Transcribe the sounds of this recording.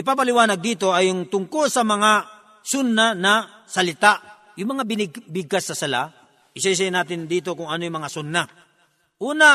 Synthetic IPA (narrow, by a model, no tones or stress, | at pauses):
ɪpapalɪwaːnɐɡ̚d̪iːt̪o̞ʔɐjʊŋt̪ʊŋkolsɐmɐŋa | sʊnːanɐsɐlɪt̪aʔ | jʊŋmɐŋabɪnbɪɡ̚kasːɐsɐla̰ | ʔɪsaɪs̬ajnaːt̪ɪnd̪iːt̪o̞kʊŋɐnojʊmɐŋasʊnːa | ʔuːna